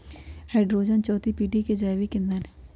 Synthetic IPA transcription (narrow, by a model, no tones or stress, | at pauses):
heːɖɾoːd͡ʒənt͡ʃɔːt̪ipiːɖiked͡ʒaːjʋikɪ̃nd̪ənɛ